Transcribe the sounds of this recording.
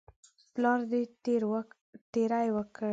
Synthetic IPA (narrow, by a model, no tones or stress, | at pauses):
plɑɾd̪eɾ | t̪eɾajwəkə